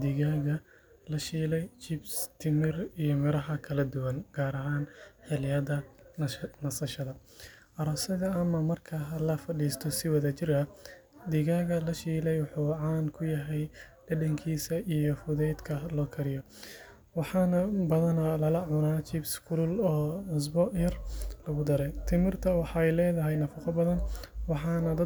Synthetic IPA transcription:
d̪iɣaːɣɐ | lɐʃiːlɛjt͡ʃɪbst̪ʰɪmɪrijɔmɪɾɐɦɐkʰɐlɐd̪ʊwɐnɡ̥aːɾɐɦaːnħɪlɪjɐðɐ | nɐsɐʃɐðɐ | ʔɐɾɔːsɐðɐɐmɐmɐrkʰɐlɐfɐɖiːst̪ʰɔsɪwɐðɐt͡ʃɪrɐd̪ɪɣaːɣɐlɐʃiːlɛjwɑħuːʕɑːnkʰʊjɐɦɛjɖ̥ɐɖɐŋkʰiːsɐʔijɔfʊðɛːd̪kʰɐlɔːkʰɐɾɪjɔ | wɑħɑːnɐbɐðɐnɐlɐlɐʕʊnaːt͡ʃɪbskʰulɔːʕʊs̬bɔjɐrlɐɣʊd̪ɐɾɛt̪ʰɪmɪrt̪ʰɐwɑħɑɛjlɛːðɐɦɛjnɐfɐqɔbɐðɐnwɑħɑːnɐd̪ɐ

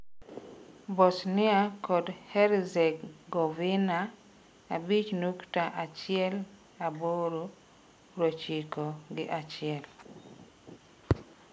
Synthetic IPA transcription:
bɔsnɪakɔdhɛɾzɛkɡovina | a̰bit͡ʃnuktaʔat͡ʃɪɛl | aboɾo | ɾot͡ʃikoɡɪʔat͡ʃɪɛl

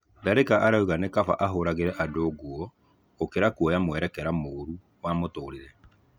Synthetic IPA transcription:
daɾekaʔaɾauɣanekafa̰ʔaɦoɾaɣeɾɛʔadoːɣwɔ | okeɾakuɔjamwɛɾɛkɛɾamoɾu | wamotoːɾeɾɛ

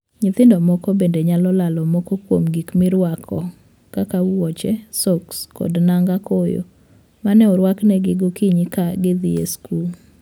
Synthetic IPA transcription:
ɲɪt̪ɪndɔmɔkɔbendeɲalɔlalɔmɔkɔkwo̰mɡikmɪɾwakʰɔ | kakawɔt͡ʃɛsokskɔ̰dnaŋɡakojo̰ | manɛʊɾwaknɛɡɪɡokiɲikaɡɪd̪ijḛskul

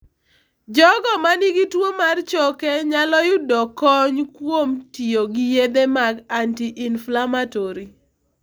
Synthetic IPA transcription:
d͡ʒɔɡɔmaniɡitwomart͡ʃɔkeɲalɔjʊdɔkɔɲkwomtioɡijed̪emaɡantiʔɪnflamatɔɾi

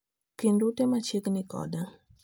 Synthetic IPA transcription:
kindut̪emat͡ʃiknikɔ̰d̪a

